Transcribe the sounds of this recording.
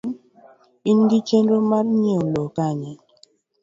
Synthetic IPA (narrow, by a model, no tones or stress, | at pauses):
inɡit͡ʃenɾomaɾɲlokaɲe